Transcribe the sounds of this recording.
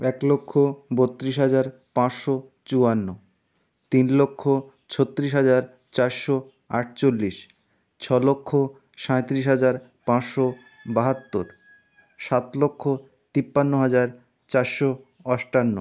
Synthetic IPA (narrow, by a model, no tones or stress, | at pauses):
ɛklokʰːobot̪ːɾiʃɦad͡ʑaɾ | pãt͡ɕʃo | t͡ɕuanːo | t̪inlokʰːo | t͡ɕʰot̪ːɾiʃ̬ɦad͡ʑaɾ | t͡ɕaɾʃo | aʈ̚ʰt͡ɕolːiʃ | t͡ɕʰɔlokʰːo | ʃãet̪ɾiʃɦad͡ʑaɾ | pãt͡ɕʃo | baɦat̪ːoɾ | ʃat̪lokʰːo | t̪ipːanːoɦad͡ʑaɾ | t͡ɕaɾʃo | ɔʃʈanːo